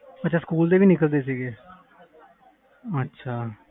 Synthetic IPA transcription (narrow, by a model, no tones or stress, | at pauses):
ətːʃʰaːskuːld̪eːʋiːnɪkəld̪eːs̬iːɡeː | ətːʃʰaː